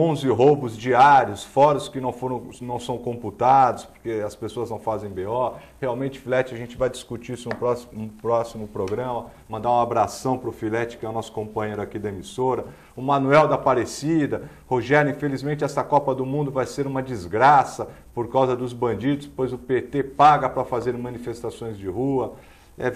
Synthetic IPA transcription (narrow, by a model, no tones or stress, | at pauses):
õzɪɦowbʊzd͡ʒiaɾiʊsfɔɾʊskɪnɐ̃w̃foɾɐ̃w̃nɐ̃w̃sɐ̃w̃kõmput̪ad̪ʊspo̥ɾkeɐspesoɐznɐ̃w̃fazẽj̃beɔɾheawmẽt͡ʃɪ̥filɛt͡ʃɪɐʒẽnt͡ʃɪvajd͡ʒiskut͡ʃiisʊnʊpɾɔsũpɾɔsimʊpɾoɡɾɐ̃mɐ | mɐ̃nd̪aũabɾasɐ̃w̃pɾʊfilɛt͡ʃɪ̥kɪɛwnɔsʊ̥kõmpɐ̃jɲ̃ejɾʊakid̪ɐemisoɾɐ | ʊmɐ̃nuɛwd̪ɐpaɾesid̪ɐ | hoʒɛɾʊĩfelizmẽnt͡ʃɪɛst̪ɐkɔpɐd̪ʊmũnd̪ʊvajseɾũmɐd͡ʒizɡɾasɐ | poɾkawzɐd̪ʊzbɐ̃nd͡ʒid̪ʊspojzʊpet̪epaɡɐpɾɐfazeɾmɐ̃nifest̪asõj̃zd͡ʒɪhuɐ | ɛ